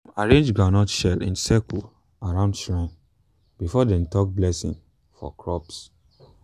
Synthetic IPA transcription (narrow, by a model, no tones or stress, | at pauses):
aɹẽnd͡ʒɡɹanɔtʃɛlḭ̃nsɛkl | aɹãʊ̃ndʃɹãɪ̃n | bifɔdɛ̃ntɔk̚blɛsḭ̃ŋ | fɔ̰kʰɹɔps